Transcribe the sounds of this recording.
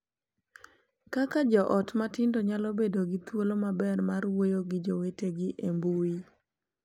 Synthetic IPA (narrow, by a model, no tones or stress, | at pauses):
kakad͡ʒɔʔɔtmatɪndoɲalɔbedoɡɪt̪wolomabɛrmarwojoɡɪd͡ʒoweteɡɪʔembui